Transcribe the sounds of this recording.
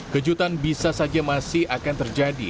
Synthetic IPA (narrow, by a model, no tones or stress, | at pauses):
kəd͡ʒut̪anbisasad͡ʒamasɪhakant̪ərd͡ʒadḭ